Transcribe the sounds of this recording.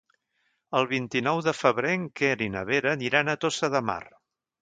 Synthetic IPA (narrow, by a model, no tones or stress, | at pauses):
əlˠβ̞int̪inɔwðəfəβɾeŋkeɾinəβeɾəniɾanət̪osəðəma̰r